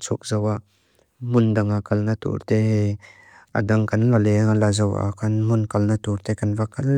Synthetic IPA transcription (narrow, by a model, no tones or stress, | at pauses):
t͡sʰuk̚zɐwaʔ | mʊnd̪ɐŋakɐlnɐt̪ṵɾt̪eɦ | ʔa̰d̪ɐŋkʰɐnlalɛŋalazɐwa̰kʰɐnmʊnkɐlnat̪uɾt̪ɛkɐnvakɐl